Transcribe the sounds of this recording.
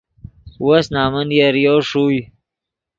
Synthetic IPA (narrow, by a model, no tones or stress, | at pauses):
wasnaːmənjaɾjoːʂuj